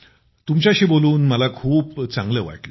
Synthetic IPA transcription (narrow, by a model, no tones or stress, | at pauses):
t̪umt͡ɕaɕiːboluːnməlakʰuːpt͡saŋɡləʋa̰ʈlə